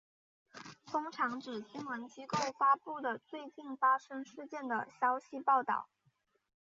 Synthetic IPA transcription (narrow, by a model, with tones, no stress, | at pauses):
fʊ˥ŋʈ͡ʂʰɑ˧˥ŋʈ͡ʂɻ̩˨˩t͡ɕi˥nwə˧˥nt͡ɕi˥ko˥˩ʊfa˥pu˥˩d̪ə˩t͡swe˥˧ɪt͡ɕi˥˩nfa˥ʂɤ˥ŋʂɻ̩˥˧t͡ɕjɛ˥˩nd̪ə̰˩ɕjɑ˥ʊɕi˧pɑ˥˧ʊt̪ɑ̰˥˩ʊ